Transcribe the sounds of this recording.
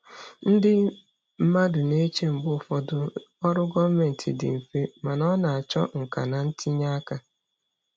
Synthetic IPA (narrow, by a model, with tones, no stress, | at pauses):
n̩˦dɪ˦ | m̩˦ma˦dʊ˨ne˦t͡ʃe˦m̩˨bʊ˦˨fɔ˨dʊ˦ɔ˦ɾʊ˦ɡɔ˦vme˨n̩˨tʰɪ˨dɪ̰˨m̩˨fe˦ma˨nɔ˦na˨a˨t͡ʃɔ̰˦ŋ̩˨ka̰˨na˨n̩˦ti˦ɲa˦ka˦